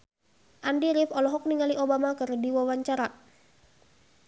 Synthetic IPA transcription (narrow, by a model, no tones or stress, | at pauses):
ʔandiɾifɔlɔɦɔk̚niŋaliʔobamakərdiwawaɲt͡ʃaɾa